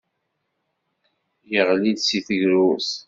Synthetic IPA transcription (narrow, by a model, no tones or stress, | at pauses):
jəʁliðsiθəʝɾus